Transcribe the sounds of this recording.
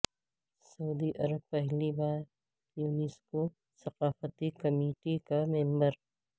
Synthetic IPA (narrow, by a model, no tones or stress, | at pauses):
sɐuːd̪iʔɐɾəb̚pɛɦlibaːɾ | juːnisko | sɐqaːfət̪ikɐmeːʈikamẽmbəɾ